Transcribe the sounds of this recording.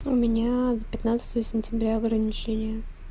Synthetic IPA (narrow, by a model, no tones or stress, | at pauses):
ʊmʲɪnʲazəpʲɪt̪nat̪sə̥t̪əjəsʲɪnʲtʲɪbɾʲaɐɡɾənʲɪt͡ɕenʲɪjə